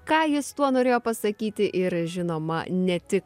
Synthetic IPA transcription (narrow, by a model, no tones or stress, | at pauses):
kɑːjɪst̪uɔnoːɾʲeːjoːpɐsɐkʲiːt̪ʲɪʔɪɾʒʲɪnoːmɐ̰nʲɛt̪ʲɪk